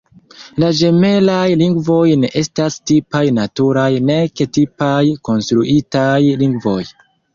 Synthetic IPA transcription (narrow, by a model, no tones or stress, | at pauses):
laʒe̞me̞lajliŋɡvo̞jne̞ʔe̞stastipajnatuɾajne̞ke̞tipajko̞nstɾuʔitajliŋɡvo̞̰j